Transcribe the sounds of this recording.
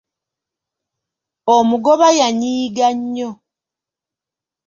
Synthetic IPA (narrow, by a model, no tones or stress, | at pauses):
omuɡoβajaɲiːɡaɲːo